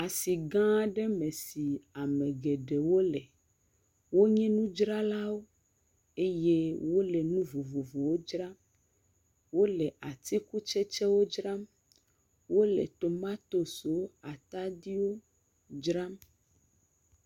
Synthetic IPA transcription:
a˨si˨ɡã˦ɖɛ˦mɛ̃˨si˨a˨mɛ̃˨ɡɛ˨ɖɛ˨wo˦lɛ˨ | wo˦ɲɛ̃˦nũ˦d͡ʒɾa˦la˦wo˦ | e˦je˦wo˦lɛ˨nũ˦vo˨vo˨vo˨wo˦d͡ʒɾa˦ | wo˦lɛ˨ʔa˨t̪i˦ku˦t͡ʃɛ˦t͡ʃɛ˦wo˦d͡ʒɾa˦m | wo˦lɛ̰˨t̪o˨mã˦t̪o˨so˨˦a˨t̪a˦di˦wo˦ | d͡ʒɾa˦m

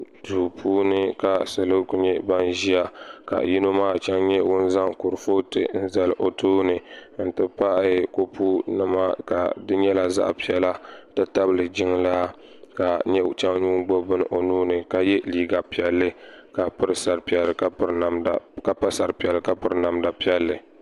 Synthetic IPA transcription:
duː˨pʰuː˦nɨ˦ka˨sɨ˨lo˦ku˦ɲɛ˦ba˦nʒi˦ja˦ka̰˨ji˦no˦maː˦˨t͡ʃɛ˦ŋɲɛ˦wʊ˦nza˦ŋkʊ˨ɾɨ˨fo˦tɨ̰˨n̩˦za˨lɨ˨ʔo˨toː˦nɨ˨n̩˦tɨ˦pa˦ʔko˦pu˦nɨ˦ma˦ka̰˨dɨ˦ɲɛ˦la˦za̰˦ʔpi˦ɛ˦la˦tɨ˦ta˦bɨ˨lɨ˨d͡ʒɪ˦ŋlaː˦ | ka˨ɲɛ˦t͡ʃɛ˦ŋɲuː˦ŋɡ͡bo˦bɨ˦n˨ʔo˨nuː˦nɨ˨ka˦jɛ˦liː˦ɡa˨pi˨ɛ˨lːɨ˦ka˨pɨ˦ɾɨ˦sa˨ɾpi˨ɛ˨lːɨ˨ka˦˨ɾa˨m˨ka˨pa˦sa˨ɾpi˨ɛ˨lɨ˨ka˦pɨ˦ɾna˨mda˨pi˦ɛ˦lːɨ˨

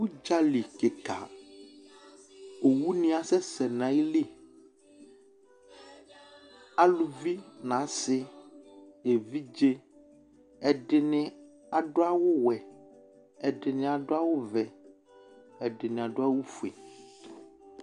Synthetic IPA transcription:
wu˦d͡ʒa˦li˨ke˨ka̰˨ | o˨wu˦nĩ˦a˨sɛ˦sɛ˨nã˨˦ji˦li˦ | a˦lu˨vi˦nã˨˦sɪ˦ | e˨vi˦d͡ʒe˦ | ɛ˨ɖɪ˨nɪ̃˨ | a˨ɖo˦a˦wo˦wɛ˨ | ɛ˨ɖɪ˨nɪ̃˨a˨ɖo˦a˦wo˦vɛ˨ | ɛ˨ɖɪ˨nɪ̃˨a˨ɖo˦a˦wu˦fu˨ḛ˨

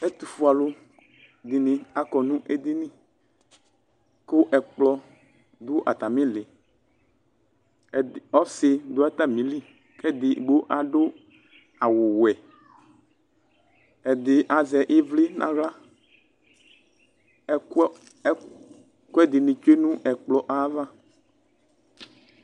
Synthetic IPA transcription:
ɛ˦t̪u˨fu˦a˨lʊ˦ | d̪i˨nĩ˨a˦kɔ˨nũ˦ʔe˦d̪i˦nĩ˦ | kʊ˦ʔɛ˨k͡plɔ˦ | d̪ʊ˦ʔa̰˨t̪a˨mĩ˦lɪ˨ | ɔ˦sɪ˨d̪ʊ˦ɛ˦t̪a˦mĩ˨˦li˦ | kɛ˦d̪ɪ˨ɡ͡bo˦ʔa˨ɖʊ˦ | a˨wo˨wɛ˨ | ɛ˨d̪ɪ˨ʔa˨zɛ˨ʔe˦vle˦nʔã̰˦ɣla˦ | ko˦ɛ˦d̪i˨nĩ˨t͡ʃe˦nũ˦ʔɛ˨k͡plɔ˨ʔa˦va˦

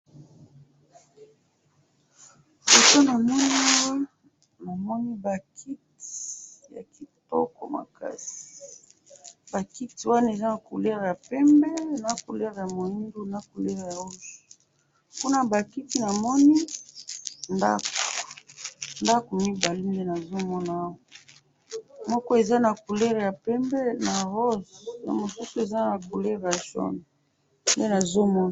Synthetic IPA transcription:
u˨to˦na˨mɔ˦ni˦wa˦ | na˨mɔ˦ni˦ba˨kʰi˦ti̥˨ja̰˨ki˨tɔ̰˦kɔ̰˨ma̰˨ka̰˦si̥i̥˨ | ba˨ki˦ti˨wa˦na˦˨e˨za˦na˨ko˨lɛ˦ʁja˨pɛ˦mbɛ˦na˦ko˨lɛ˦ʁja˨mo˨ji˦du˦na˦ko˨lɛ˦ʁja˨o˦zo̥˨ | ku˦na˦ba˨ki˦ti˦na˨mɔ˦ni˦ | nda̰˦ko̥˨nda˦ko˨mi˦ba˨li˦nde˦na˨zo˦mɔ˦naː˦wa˨ | mɔ˦kɔ˦e˨za˦na˨ku˨lɛ˦ʁja˨pɛ˦mbɛ˦na˨ʁo˦zja̰˨mo˨su˦su˨e˨za˦na˨ko˨lɛ˦ʁja˨ʃɔ̰˦na˨ | nde˦na˨zo˦mɔ˦n˨

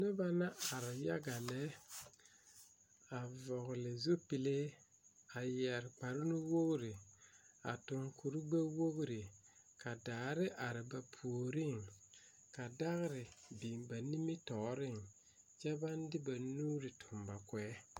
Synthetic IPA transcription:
nɛ˦ba˦na˦a˨ɾɪ˨ja˦ɡa˨lɛ˦ | a˨vɔ˨ɣlɪ˨zu˦pɪ˨le˦ | a˨jɛ˨ɾk͡pa˨ɾɪ˦nu˦wo˦ɣɾɪ˨a̰˨tʊ˨ŋku˨ɾi˦ɡ͡be˦wo˦ɣɾɪ˨ | ka˨daː˨ɾɪ˦ʔa˨ɾɪ˨ba˨pʰu˨o˨ɾɪ˦˨ŋ | ka˨da˦ɣɪ˦ɾɪ˨bi˨mba˨ni˦mi˦tɔ˨˦ɾɪ˦˨ŋ | t͡ʃɛ˦ba˦n˦dɪ˦ba˨nu˦ɾɪ˨tʰʊ˨mba˨kwɛ˨˦

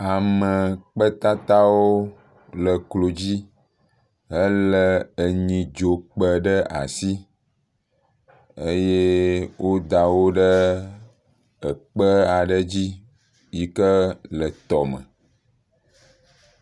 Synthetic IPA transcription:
a˨mə˨k͡pə˦t̪a˦t̪a˦wo˦ | lə˨klo˨d͡ʑi˦ | ɦə˦lə˦ə˨ɲĩ˨d͡ʒo˨k͡pə˨ɖə˦a̰˨si˦ | ə˦je˦wʔo˦d̪a˨wo˦ɖə˦ | ə˨k͡pə˦a˨ɖə˦d͡ʑi˦ | ji˦kə˦lə˨t̪ɔ˨mə̰̃˨

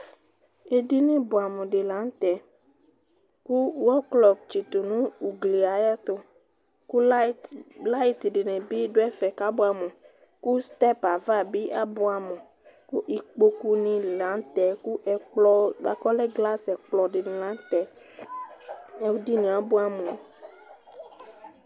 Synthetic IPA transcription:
e˦di˦nĩ˦bo˨a˨mẽ˨ɖe˨la˨˦n˦t̪ɛ˨ | ku˦wɔ˦klɔ˨p̚t͡ʃi˨t̪o˨nũ˦u˨ɡli˨a˨jɛ˦t̪o˦ | ku˦ | la˦i˦t̪ɖi˨nẽ˨bi˦ɖo˦ɛ˦fɛ˨ka˦bo˦a˨mɛ̃˨ | ku˦st̪ɛ˦pa˨va˦˨bi˦ʔa˦bo˦a˨mẽ˨ | ku˦ʔi˨k͡po˦ku˦nĩ˦la˨˦n˦t̪ɛ˨ku˦ʔɛ˨lɔ˦a˨kɔ˦lɛ˦ɡla˦sɛ˨k͡plɔ˨ɖe˨nĩ˨la˨˦n˦t̪ɛ˨ | ɛ˦wu˦di˦nĩ˨a˨bo˦a˨mẽ˨

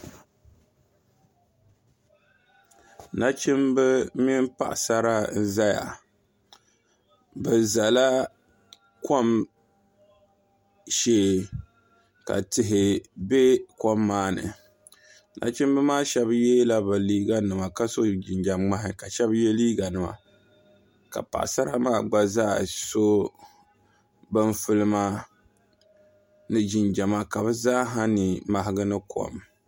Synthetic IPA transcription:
na˦t͡ʃɪ˦mbɨ˦mi˦m˦pa̰˦ʔsa˦ɾa˦n̩˦za˦ja̰˨ | bɨ˨za˨la˦ | ko˦m | ʃeː˦ | ka̰˨tɪ˨ɦɪ˨be˦ko˦mːaː˦nɨ̰˨ | na̰˨˦t͡ʃɪ˦mbɨ˦maː˦ʃɛ˦bjɛ˦la˦bɨ˨liː˦ɡa˦nɨ˨ma˨ka˦so˦d͡ʒɪ˨nd͡ʒa˨mŋ͡ma˦ɦɪ˨ka˨ʃɛ˦bjɛ˦liː˦ɡa˨nɨ˨ma̰˨ | ka̰˨pa̰˨sa˦ɾa̰˦maː˦˨ɡ͡ba˦zaː˦so˦ | bɨ˦ɱfɨ˦lɨ˦ma˦ | nɨ˦d͡ʒɪ˨nd͡ʒa˨ma˦ka˨βɨ˦zaː˦ɦa˦ni˨ma˨ɦɪ˦ɡɨ˦nɨ˦kʰɔ̰˨m

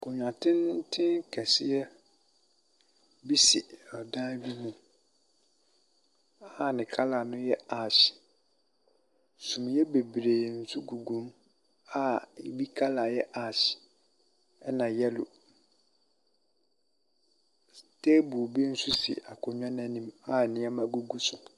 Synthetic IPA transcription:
kʰʊ˨ɲᶣã˨tʰɪ̃˦n˦tʰɪ̃˦nkʰɛ˨sɪ˦ɛ˦ | bi˦si˨ɔ˨dã˦bi˦mũ˨ | a˦˨nɪ̃˨kʰa˦la˨nʊ̃˦jɛ˦a˨ɕɪ̥˨ | sũ˨m˨jɛ˦be˨bɾeː˨n̩˦˨su˦ɡu˨ɡũ˨˦n | a˦˨bi˦kʰa˦la˨jɛ˦ʔa˨ɕɪ̥˨ | ɛ˦nã˨jɛ˦lʊ˨ | tʰe˦bu˨bi˦n̩˦su˦sɪ̰˨a˨kʰɔ˨ɲᶣ˦ã˦nã˦nĩ˦ma˦˨nɪ̃˦a˦mã˨ɡu˦ɡu˦sʊ˨

